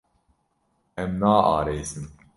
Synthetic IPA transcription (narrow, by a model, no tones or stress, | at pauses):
ɛmnaːʔa̰ːɾejsɨm